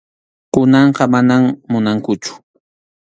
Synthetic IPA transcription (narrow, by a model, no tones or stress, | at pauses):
kʊnɑɴqɑmanammʊnaŋkʊt͡ʃʊ̥